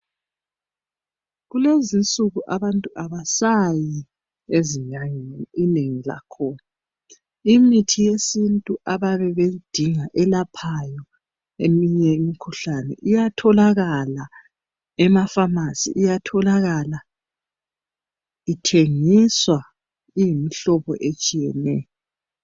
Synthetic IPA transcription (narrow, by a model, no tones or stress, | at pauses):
ɣulezint͡sʼuɣuʔaβantʼuʔaβasaji | eziɲaŋeniineŋila̰kʰɔna | imitʰijesintʼuʔaβaβɛβed̥ʱiŋaʔɛlapʰajɔ | ḛmiɲɛemikʰuɬanɛ̰ʔijatʰɔlaɣala | ɛmafamasḭʔijatʰɔlaɣala | itʰeŋiswa | ijimiɬɔβɔ̰ʔet͡ʃʼijɛnɛːjɔ